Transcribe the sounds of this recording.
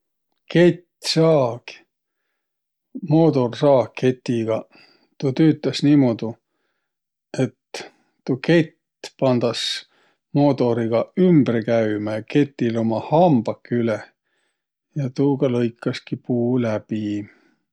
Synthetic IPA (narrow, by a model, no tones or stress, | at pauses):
ke̞t̪sɑːɡ̥i̥ | moːd̪o̞rsɑːkʰːe̞t̪ːiɡ̥ɑ | t̪ut̪yːt̪ːˑɑsniːmod̪̥u | e̞t̪ː | uke̞t̪ | pɑnd̪̥ɑs | mo̞ːd̪o̞ɾiɡ̥ɑymb̥rkæymæke̞t̪ːˑilo̞mɑhɑmb̥ɑkːyle | jɑt̪uːɡ̥ɑlɤjkːˑɑskipuːlæb̥i